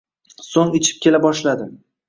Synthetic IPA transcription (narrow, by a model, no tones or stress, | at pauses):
soŋɪt͡ʃʰɪ̥p̚kʲe̞labɒʃlad̪ɪ